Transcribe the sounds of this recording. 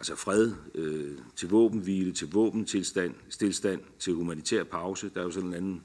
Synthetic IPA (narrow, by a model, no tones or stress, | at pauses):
ʔælsəfʁɛð̞ˠøt͡sʰe̝lʋɔ̰̽ːb̥n̩ʋiːlət͡sʰe̝lʋɔ̰̽ːb̥n̩t͡sʰelsd̥æn̰sd̥e̝lsd̥æn̰t͡sʰe̝lhumænit͡sʰɛ̰ɐ̰pʰɑ̈ʊsəd̥ɑ̈jo̝sɒ̽ne̝nænn̩